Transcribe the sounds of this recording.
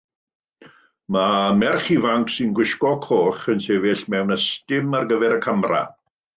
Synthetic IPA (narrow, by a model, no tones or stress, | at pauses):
mamɛrχivaŋksɪnɡwɪʃkɔkʰoːχənseːvɪɬmɛwnəstɪmarɡəvɛɾəkʰəmra̰